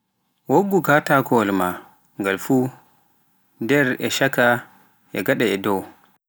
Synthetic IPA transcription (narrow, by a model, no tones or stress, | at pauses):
woɡːukatakɔlma | ŋɡalfu | dɛɾɛʃaka | ʔɛ̰ɡaɗaɛdɔw